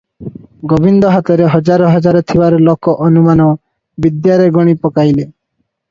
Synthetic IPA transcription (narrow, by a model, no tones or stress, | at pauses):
ɡobind̪ɔɦat̪ɔɾeɦɔd͡ʒaɾɔɦɔd͡ʒaɾɔt̪ʰibaɾɔlokɔʔɔnumanɔ | bid̪jaɾeɡɔɽ̃ipɔkajle